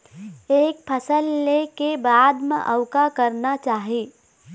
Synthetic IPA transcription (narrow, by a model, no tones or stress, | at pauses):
eːk̚pʰəsəlːekebaːd̪mḛ̃ʔɐʊkakɐɾnat͡ʃaːɦieː